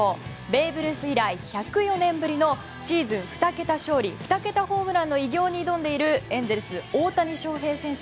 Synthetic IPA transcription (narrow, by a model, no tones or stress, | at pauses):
o | be̞ːbɯ̟ɾɯ̟sɨiɾaiçakɯ̟jo̞nẽ̞mbɯ̟ɾʲino̞ | ɕiːzɨ̃ɰ̃ɸɯ̥t̪ake̞t̪aɕo̞ːɾʲiɸɯ̟̥t̪ake̞t̪aho̞ːmɯ̟ɾãnːo̞iɡʲo̞ːɲ̟id̪õ̞nd̪e̞iɾɯ̟ẽ̞nzeɾɯ̟sɨoːt̪aɲ̟iɕo̞ːɦe̞ːsẽ̞ɰ̃ɕ